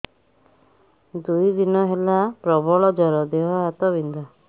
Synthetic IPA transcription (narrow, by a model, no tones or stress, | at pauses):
d̪ujd̪inɔɦelapɾɔbɔɭɔd͡ʒɔɾɔd̪eɦɔɦat̪ɔβind̪ɔ